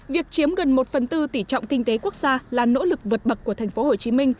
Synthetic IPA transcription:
vi˨˩ək̚t͡ɕi˨˦əmɣə˨˩nmo˨˩t̚fə˨˩nt̪ɨ˧t̪i˧˩t͡ɕɔ̰˧˨wŋ͡mkï˧ŋ̟t̪e˨˦ku˦˥ək̚z̥aː˧laː˨˩no̰˧˥lɨ˨˩k̚vɨ˨˩t̚ɓə˨˩k̚kːət̪ʰɛ˨˩jŋ̟fo˨˦ho˨˩t͡ɕi˨˦mï˧ŋ̟

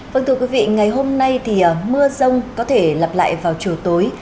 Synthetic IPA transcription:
və˧ŋt̪ʰɨ˧əkwi˨˦vḭ˧˨ŋa˨˩jɦo˧mna˧jt̪ʰi˨˩ə˨˩mɨ˧əzə˧wŋ͡mkɔ˨˦t̪ʰe˧˩lə˨˩p̚la̰ː˧˨jvaː˨˩wt͡ɕi˨˩əwt̪oː˨˦j

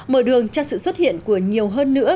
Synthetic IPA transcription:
məː˧˩ɗɨ˨˩əŋt͡ɕɔ˧sɨ̰˧˨swə˦˥t̚hḭ˧˨ənku˧˩əɲi˨˩əwɦəː˧nːɨ̰˧˥ə

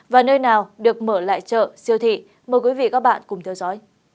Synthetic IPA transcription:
vaː˨˩nəː˧jnaː˨˩wɗɨ˨˩ək̚məː˧˩la̰ː˧˨jt͡ɕə̰ː˧˨si˧əwt̪ʰḭ˧˨ | məː˨˩jkwi˨˦vḭ˧˨kaː˦˥k̚ɓa̰ː˧˨nkʊ˨˩ŋ͡mt̪ʰɛ˧wzɔ˨˦j

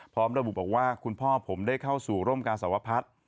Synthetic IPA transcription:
pʰɾɔː˦˥mɾa˧bu˨˩ʔbɔː˨˩k̚waː˥˩kʰu˧npʰɔː˥˩pʰo˩˦mdaː˥˩jkʰa˥˩wsuː˨˩ɾoː˥˩mkaː˧nsa˩˦wa˦˧˥pʰa˦˥t̪̚

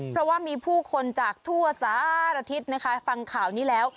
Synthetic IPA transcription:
pʰɾɔ˦˥waː˥˩miː˧pʰuː˥˩kʰo˧nt͡ɕaː˨˩k̚t̪ʰu˥˩ɐsaː˨˦ɾa˧t̪ʰi˦˥t̪̚na˦˥kʰa˦˥fa˧ŋkʰaː˨˩wniː˦˥lɛː˦˥w

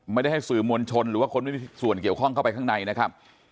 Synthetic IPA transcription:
ma˩jda˥˩ha˥˩jsɯː˨˩moː˧nt͡ɕʰo˧nɾɯː˨˦waː˥˩kʰo˧nma˥˩jmiː˧su˨˩ənk̬i˨˩əwkʰɔ˥˩ŋkʰa˥˩pa˧ka˥˩ŋna˧jna˦˥kʰa˦˥p̚

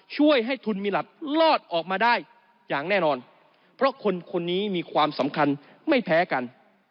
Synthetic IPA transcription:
t͡ɕʰu˥˩əjɦa˥˩jt̪ʰu˧nmiː˧la˨˩p̚lɔː˥˩t̪̚ʔɔː˨˩k̚maː˧daː˥˩j | jaː˨˩ŋnɛː˥˩nɔː˧n | pʰɾɔ˦˥kʰo˧nkʰo˧nːiː˦˥miː˧kʰwaː˧msa˩˦mkʰa˧n | ma˥˩jpʰɛː˦˥ka˧n

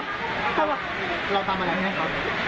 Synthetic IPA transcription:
t̪a˥˩wa˨˩ | ɾa˧wt̪aː˧ma˧ɾa˧jɦma˦˥˩kʰa˦˥p

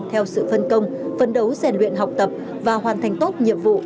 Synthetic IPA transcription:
t̪ʰɛ˧wsɨ̰˧˨fə˧nkə˧wŋ͡mfə˨˩nɗə˨˦wzɛ˨˩nlwḭ˧˨ənɦa˨˩wk͡p̚t̪ə˨˩p̚ | vaː˨˩hɦwaː˨˩nt̪ʰa˨˩ŋ̟t̪o˦˥t̚ɲḭ˧˨əmvṵ˧˨

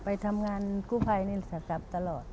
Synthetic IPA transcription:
pa˧jt̪ʰa˧mŋaː˧nkuː˥˩pʰa˧jni˧˩t̪sʰa˧˦sa˧˦˥p̚t̪a˧lɔː˨˩t̪̚

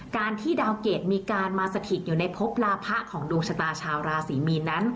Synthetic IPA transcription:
kaː˧nt̪ʰiː˥˩daː˧wkeː˨˩t̪̚miː˧kaː˧nmaː˧sa˧t̪ʰi˨˩t̪̚juː˨˩na˧jpʰo˦˥p̚laː˦˧pʰa˦˥ʔkʰɔː˩˦ŋduː˧ŋt͡ɕʰa˧t̪aː˧t͡ɕʰaː˧wɾaː˧siː˩˦miː˧nːa˦˥n

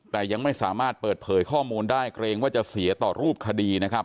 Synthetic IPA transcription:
t̪ɛː˨˩ja˧ŋma˥˩jsaː˩˦maː˥˩t̪̚pɤː˨˩t̪̚pʰɤː˩˦jkʰɔː˥˩muː˧ndaː˥˩jkɾeː˧ŋwaː˥˩t͡ɕa˨˩ʔsi˨˩˦ɐt̪ɔː˨˩ɾuː˥˩p̚kʰa˧diː˧na˦˥kʰa˦˥p̚

